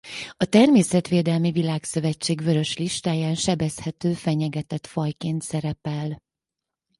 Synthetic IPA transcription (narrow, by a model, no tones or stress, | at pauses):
ɒt̪ɛrmeːsɛt̪ʋeːd̪ɛlmivilaːksø̞vɛt͡ʃːeːɡʋø̞ɾø̞ʃliʃt̪aːjaːnʃɛbɛshɛt̪øːfɛɲɛɡɛt̪ɛt̪fɒjkeːnt̪sɛɾɛpɛl